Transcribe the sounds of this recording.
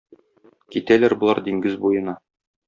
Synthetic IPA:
kit̪ælæɾbŏlˠɑɾd̪iŋɡɘzbujɤ̆nɑ

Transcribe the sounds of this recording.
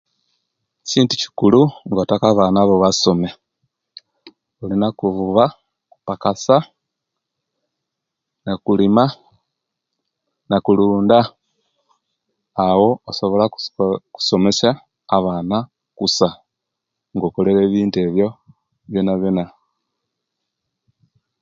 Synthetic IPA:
ciːntuci̥kuluŋɡotakaβaːnaːβo̞βaso̞me̞ | olinakuvuβa | kupakasa | nakulima | nakuluːnda | wo̞oso̞βo̞laku̥so̞me̞ʃaː | βaːna | kusa | ŋɡokoleɾeːβiːnte̞βjo̞ | βjonaβjona

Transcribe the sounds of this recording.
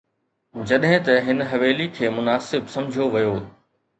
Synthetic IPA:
d͡ʑɐɗɦɪ̃t̪ɐɦɪnɦɐʋeːlikʰeːmʊnaːsɪbsɐ̃md͡ʑʱijoʋɐjoː

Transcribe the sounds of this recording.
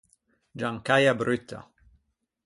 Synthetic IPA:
d͡ʒaŋkajabɾyt̪ʰːa̰

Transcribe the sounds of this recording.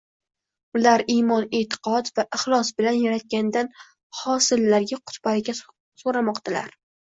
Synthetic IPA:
ʊlaɾimɒnet̪ʰɪ̥qʰɒd̪vaʔɪχlˠɒsbɪlanjaɾat̪̚kʲand̪an | hɒsɪlːaɾɡʲaqʰʊ̥t̪ʰbaɾɪɡʲa | soɾamɒqt̪ʰala̰ɾ

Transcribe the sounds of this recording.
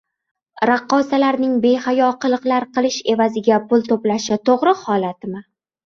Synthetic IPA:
ɾaqːɒsalaɾnɪŋbe̞hajɒqʰɨlˠɨqlˠaɾqɨlˠɪʃe̞vazɪɡʲapʊlˠt̪ʰoplaʃat̪ʰoʁɾɨhɒlat̪ʰɪmɪ

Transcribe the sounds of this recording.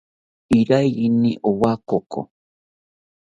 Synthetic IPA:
iɾajiniʔowakoko̰

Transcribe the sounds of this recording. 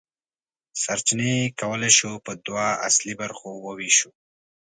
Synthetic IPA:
saɾt͡ʃinekawəlajʃopəd̪waa̰slibaɾxowəwiʃu

